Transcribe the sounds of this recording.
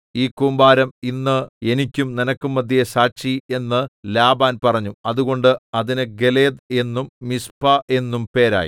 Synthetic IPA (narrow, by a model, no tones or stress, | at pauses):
iːkuːmbaːɾɐminːɨe̞nikʲːumninɐkːumːɐd̪ʱːijesaːɕie̞nːɨlaːbaːnpɐrɐɲːuɐðuɣo̞ɳɖɨɐðinɨɡe̞leːd̪e̞nːumːispɐʔe̞nːumpe̞ːɾa̰ːjḭ